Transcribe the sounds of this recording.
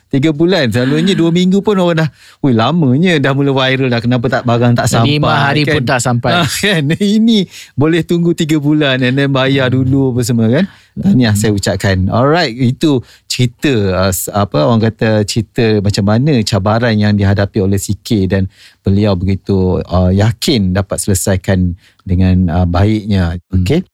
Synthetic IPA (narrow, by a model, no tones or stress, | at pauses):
t̪iɡəbulansəlaluɲəduəmiŋɡupʊnoɣaŋdah | ujlamə̃ɲə̃dahmulawajɾəldahkənap̬at̪aʔbaɡaŋt̪aʔsanmimpaaaɾipkaʊnt̪aʔsampaakaninĩbolɛht̪uŋɡut̪iɡabulanɛnɛnbajaduluapəs̬əməkan | anilahsajaut͡ʃaʔkanɔ̰lɾajt̪̚it̪u | t͡ʃəɾit̪əəsapəoɾaŋkat̪at͡ʃəɾit̪əmat͡ʃamːanət͡ʃabaɾanjaŋdiɦadapiolɛhsikɪt̪̚danb̥əliawbəɡit̪uəjakʰɪndapat̪̚sələsajkan | dəŋãnəbaɪʔ̚ɲaoke